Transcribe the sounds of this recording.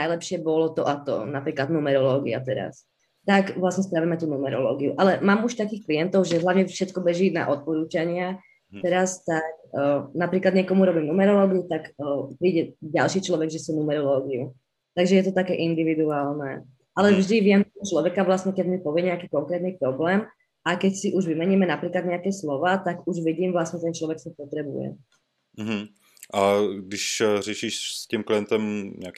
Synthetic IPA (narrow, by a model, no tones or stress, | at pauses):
ajlɛpʃɪɛbɔlɔt̪ɔʔat̪ɔ̰napɾiːklad̪numɛɾɔlɔːɡḭa̰t̪ɛɾa̰s | t̪akʋlasɲɛsp̪ɾaʋiːmɛt̪uːnumɛɾɔlɔ̰ːɡiuʔalɛmaːmuʃt̪akiːxklijɛnt̪ɔʊʒɛɦlaʊɲɛfʃɛt̪kɔbɛʒina̰ʔɔt̪̚pɔɾuːt͡ʃaɲɪa | t̪ɛɾast̪akːnapɾiːklad̪ɲɪɛkɔmuɾɔbiːmnumɛɾɔlɔːɡiut̪akːpɾiːɟɛɟa̰lˠʃiːt͡ʃlɔʋɛɡʒɛsunumɛɾɔlɔːɡiu | t̪aɡʒɛjɛt̪ɔt̪akɛːʔind̪iʋid̪uaːlnɛː | ʔalɛvʒd̪iʋɪɛmt̪ɔɦɔt͡ʃlɔʋɛkaʋlasɲɛkɛɟmipɔʋɪɛɲɛakiːkɔŋkɾɛːt̪niːpɾɔblɛːm | ʔakɛcsiʔuʒʋimɛɲiːmɛnapɾiːklad̪ɲɛakɛːslɔʋaːt̪aɡuʒʋiɟiːmʋlastɲɛt̪ɛnt͡ʃlɔʋɛksipɔt̪ɾɛbṵjɛ̰ | m̩ɦm̩ | ʔaɡdɪʃrɛʃiːʃscimkliɛnt̪ɛmɲɛ̰a